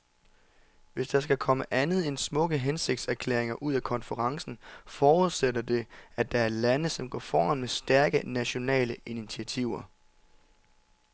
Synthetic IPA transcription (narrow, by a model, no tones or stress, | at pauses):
ʋe̝sd̥ɑ̈sɡ̥ækʰɒ̽məʔænð̞̩ˠe̝nsmɔ̽ɡ̥əɦense̝ɡ̥̚d̥sæɐkʰlḛɐ̰eŋɐʔuð̞ˠækʰɒ̽nfəʁɑ̈ŋsn̩fɒːuðˠsedɐd̥e̝æd̥ɑ̈æɐlænəsɒ̽mɡ̥ɒ̰ːfɒːænmesd̥æɐɡ̥ənæɕo̝nɛ̰ːləʔinit͡sʰiæt͡sʰiʊ̰ɐ